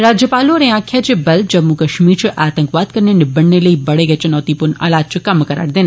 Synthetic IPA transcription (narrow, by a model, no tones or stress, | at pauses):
ɾaːd͡ʒjəpaːlõɾẽaːkʰjat͡ʃebɐld͡ʒɐbmũkɐʃmiːɾt͡ʃʰiʔaːt̪ə̃ŋkʋaːd̪kɐɾnenɪbɐɳːeləibɐɽeɡət͡ʃʰɐnɔːt̪ipuɾna̰ːlaːt̪̚t͡ʃʰikɐmkɐɾa̰ːɽd̪eːna